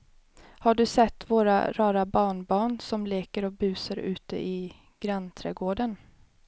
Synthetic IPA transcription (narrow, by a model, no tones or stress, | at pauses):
haɖɵsɛt̪ːvoːɾa̰ɾɑːɾabɑːɳbɑːɳsɔmleːkəɾɔbʉ̟ːsəɾʉ̟̰ːt̪ə̰ʔɪ | ɡ̥ɾant̪ʰɾɛ̰ːɡoːɖən